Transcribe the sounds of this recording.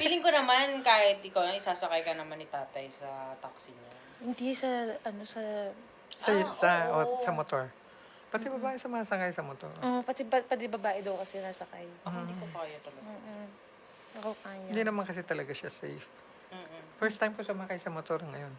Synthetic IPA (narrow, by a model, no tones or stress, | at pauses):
bilɪŋkonɐmankaːhɪt̪ɪkawɪsaːsɐkajkɐnɐmanɪt̪aːt̪ɐjsɐt̪aksɪɲo | hɪnd̪isɐʔɐno̞sɐ | sɐt̪sɐʔosɐmot̪o̞ɹ | pɐd̪ɪbɐbaːʔɪsɐmɐŋasɐkajsɐmot̪o̰ɾʔoʔpɐt̪ɛɐpɐd̪ɪbɐbaːʔɪd̪ɐwkɐsɛnasɐkajhɪnːkɐpaɐjot̪ɐlɐoːʔ | nɐkɐkaːjnd̪inɐmankɐs̬ɛt̪ɐlɐɡaʃasɛ̰jf̩ | fɛɹst̪ːajmkosʊmaːkajsɐmot̪o̞ɾŋɐjo̞n